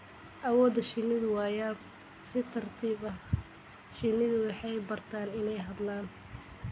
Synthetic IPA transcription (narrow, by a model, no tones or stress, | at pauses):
ʔɐwɔːd̪ɐʃɪnːɪðʊwɑːjaː | sɪt̪ʰɐrt̪ʰiːβɐ | ʃɪnːɪðʊwɑħɑjbɐrt̪ʰaːnɪnɛjɦɐd̪laːn